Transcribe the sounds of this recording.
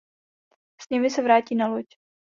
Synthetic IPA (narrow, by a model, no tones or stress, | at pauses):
sɲɛmɪsɛvɾaːciːnaloc